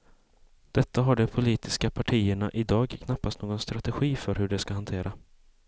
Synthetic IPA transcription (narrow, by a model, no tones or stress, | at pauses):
d̪̥ɛt̪ʰːaɦaɖɛpʰʊliːt̪ɪskapʰaʈʰiːəɳaʔɪd̪ɑːɡkʰnapːast̪noːɡɔnst̪ɾat̪ɛɧiːfœɾhɵɖɛskaɦant̪ʰeːɾa